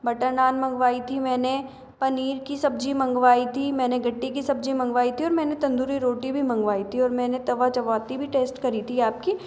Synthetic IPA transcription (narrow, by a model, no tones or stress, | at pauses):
bɐʈəɾnaːnmɐ̃ŋɡʋaːit̪ʰimɛːne | pɐniːɾkisɐb̚d͡ʒimɐ̃ŋɡʋaːit̪ʰimɛ̃ːneɡʱɐʈːikisɐbd͡ʒimɐ̃ŋɡʋaːit̪ʰiɔːɾmɛ̃ːnet̪ɐ̃nd̪uɾiɾoːʈibʱimɐ̃ŋɡʋaːit̪ʰiɔːɾmɛ̃ːnet̪ɐʋat͡ʃɐʋaːt̪ibʱiʈeːsʈkɐɾit̪ʰiaːp̚ki